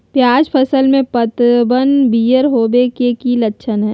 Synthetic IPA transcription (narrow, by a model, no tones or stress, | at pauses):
pjaːd͡ʒpʰəsəlmẽpət̪bənbiːjəɾɦoːbekekilɐtːʃʰənɦɛː